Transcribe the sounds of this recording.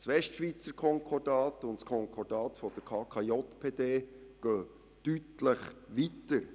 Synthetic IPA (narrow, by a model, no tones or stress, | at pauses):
sʋɛstʃʋit͡səɾkʰɔŋkʰɔdɑːtʊntskʰɔŋkʰɔdɑːtfɔd̥əɾkʰɑːkʰɑjɔt̪pʰeːd̪eːɡ̥øː | tytləχʋitəɾ